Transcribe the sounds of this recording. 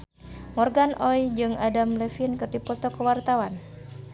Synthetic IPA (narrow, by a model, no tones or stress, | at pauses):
mɔrɡanʔɔjd͡ʒɨŋʔadamlɛfinkɨrdipɔt̪ɔkəwart̪awan